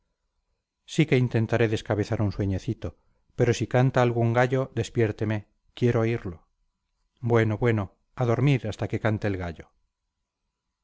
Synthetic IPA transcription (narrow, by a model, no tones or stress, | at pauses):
sike̞int̪e̞nt̪aɾe̞ðe̞skaβe̞θaɾunswe̞ɲeθit̪o̞ | pe̞ɾo̞sikant̪aːlɣ̞uŋɡaʎo̞ðe̞spje̞ɾt̪eme̞ | kje̞ɾooiɾlo̞ | bwe̞noβwe̞no | aðo̞ɾmiɾast̪ake̞kant̪eːlɣaʎo